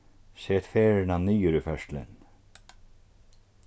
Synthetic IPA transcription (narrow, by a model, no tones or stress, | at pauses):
sɛːt̪fɛːɾɪnaniːjʏɾʏfœʂt̪lɪ̰n